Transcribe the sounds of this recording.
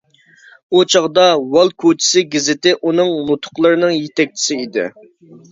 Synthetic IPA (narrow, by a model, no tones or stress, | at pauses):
ut͡ʃʰɑʁd̪ɑwɑlˠkʰot͡ʃʰɪ̥sɪɡʲɪzɪt̪ɪʔunɨŋnut̪ʰʊ̥qlˠɨɾɨnɨŋjet̪ʰɛk̚ʲt͡ʃʰi̥sɪid̪ɪ̰